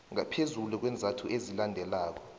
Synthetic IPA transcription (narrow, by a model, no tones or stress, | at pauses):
ŋapʰezuluk̬wɛnd͡zʱatʰuʔezilandʱɛlaːk̬ɔ̥